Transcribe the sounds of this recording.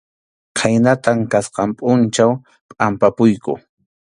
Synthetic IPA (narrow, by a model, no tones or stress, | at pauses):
kʰajnat̪aŋkasqɑmpʼʊnt͡ʃaw | pʼampapʊjkʊ̰